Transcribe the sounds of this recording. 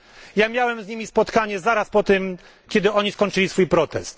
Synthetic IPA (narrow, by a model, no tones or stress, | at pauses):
jamʲjawɛmzɲimʲispɔt̪kaɲɛzaɾaspɔt̪ɘm | kʲɛd̪ɘɔɲiskɔɲʲt͡ʂɘlʲisfujpɾɔt̪ɛst̪